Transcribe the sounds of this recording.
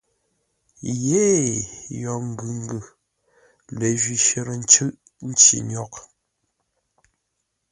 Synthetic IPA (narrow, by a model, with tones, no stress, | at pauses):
je˨˦ | jɔ˨ŋ̩˨ɡɯ˨ŋ˦ɡɯ˨ | lə˨ʒɥi˨ʃe˦˨ɾə˨n̩˦t͡ʃɨ˦ʔ | n̩˦t͡ʃḭ˨ɲɔ˨k